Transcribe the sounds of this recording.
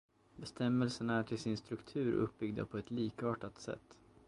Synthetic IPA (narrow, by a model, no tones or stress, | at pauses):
bɛst̪ʰɛmːɛlsənaæʈʰɪlsɪnst̪ɾɵkt̪ʰʉ̟ːɾʔɵ̰p̚ːbʏɡd̪ə̰pʰɔɛt̪liːkɑːʈat̪sɛ̰t̪ː